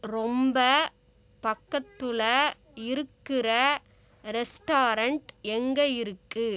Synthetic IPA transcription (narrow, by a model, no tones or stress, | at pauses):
ɾɔmbɐ | pɐkːɐt̪ːɯlɐ | ɪɾɯkːɪrɐ | ɾɛsʈaːɾɐɳʈɛŋɡɐjɪɾɯkːɯ